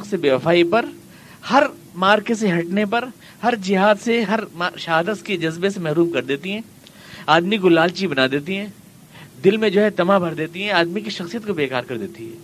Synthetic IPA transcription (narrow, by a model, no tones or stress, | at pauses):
ksebeːʋɐfaːipɐɾ | hɐɾ | maːɾkes̬eɦɐʈnepɐɾ | hɐɾd͡ʒɪɦaːd̪seɦɐɾʃɐɦaːd̪əsked͡ʒɐzbesemɛɦɾuːmkɐɾd̪eːt̪iɦɛ̃ː | aːd̪mikolaːlt͡ʃibɐnaːd̪eːt̪iɦɛ̃ː | d̪ɪlmẽd͡ʒoːɦɛt̪ɐmabʱɐɾd̪eːt̪iɦɛ̃aːd̪mikiʃɐxsijət̪kobeːkaːɾkɐɾd̪eːt̪iɦɛ̰ː